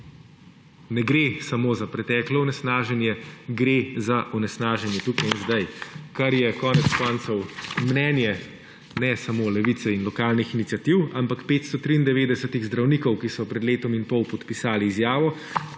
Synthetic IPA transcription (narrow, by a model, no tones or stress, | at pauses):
nɛɡɾesamoːzapɾɛt̪ɛːklɔunɛsnaːʒɛnjɛɡɾezaʔunɛsnaːʒɛnjɛt̪uːkajinzd̪ajkaɾjɛkɔːnɛt̪skɔnt̪sɔwmnɛːnjɛ | nɛsamolɛʋit̪sɛinlɔkaːlnixinit̪sʲjat̪iwampakpeːt̪st̪ɔt̪ɾiːnd̪ɛʋeːd̪ɛsɛt̪iɣzd̪ɾawnikɔwkisɔpɾɛd̪leːt̪ɔminpɔwpɔt̪pisaːliːzjaːʋɔ